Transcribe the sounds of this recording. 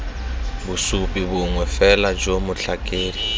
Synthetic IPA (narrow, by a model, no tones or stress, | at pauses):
busupʼiβuŋwɛfɛlad͡ʒomʊɬakʼeːli